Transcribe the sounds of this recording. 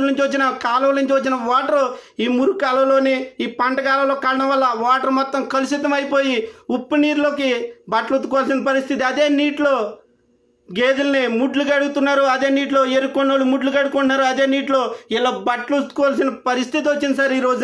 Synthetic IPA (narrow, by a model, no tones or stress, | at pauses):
nuɲt͡ʃiʋɐt͡ʃːinɐkaːlɐʋluɲt͡ʃʋɐt͡ʃːinɐʋaːʈɐɾuiːmuɾukaːlɐʋlo̞ːniiːpɐɳʈɐkaːlɐʋloːkɐːɾɐɽɐ̃mʋɐlːɐʋaːʈɐɾmɔt̪ːɐmkɐlusit̪ːɐmɐjpo̞ːjiupːɐniːɾlo̞ːkibɐʈlut̪ːukɔːʋaːls̬inɐpɐɾist̪ʰit̪̬iɐd̪e̞ːniːʈlo̞ː | ɡeːd͡ʒ̪ulnimuɖlukɐɽuɡut̪unːaːɾuɐd̪e̞ːniːʈlo̞ːeɾukːoɳnːoːlumuɖlukɐɽukuɳnːaːɾuɐd̪e̞ːniːʈlo̞ːɛlːaːbɐʈlut̪ːu̥kɔːʋaːlsinɐpɐɾist̪ʰit̪̬iʋot͡ʃːinɐsɐɾiːɾo̞ːd͡ʒ